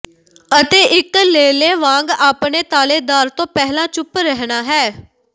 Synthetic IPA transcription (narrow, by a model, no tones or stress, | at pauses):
ət̪eːʔɪkleːleːʋãːŋɡaːpɳeːt̪aːleːd̪aːɾt̪õːpɛɦlãːt͡ʃʊpɾəɦɳaːɦɛː